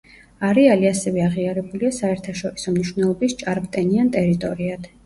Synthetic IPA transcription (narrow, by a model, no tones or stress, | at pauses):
aɾialiasɛvɛaʁiaɾɛbuliasaɛɾt̪ʰaʃɔɾisɔmniʃwvnɛlˠɔbist͡ʃʼaɾmʼt̪ʼɛniant̪ʼɛɾit̪ʼɔɾiad̪̥